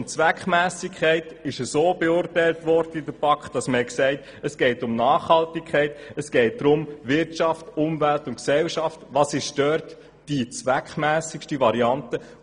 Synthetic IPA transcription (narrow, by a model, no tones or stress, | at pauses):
mt͡sʋækχmæːsɪkʰɛɪtɪʃəsoːbeʊrtæɪltʋɔɾd̥əidəɾpʰɑkχtd̥ɑsməhɛksɛɪt | əsɡ̥ɛɪtʊmnɑːχhɑltikʰɛɪtəsɡ̥ɛɪt̚d̥̪ɾʊmʋɪɾtt͡ʃɑftʊmvæltʊntksɛlʃɑftʋɑːsɪʃd̥œrt | d̥it͡sʋækχmæːsɪkʃtiʋɑɾiɑntə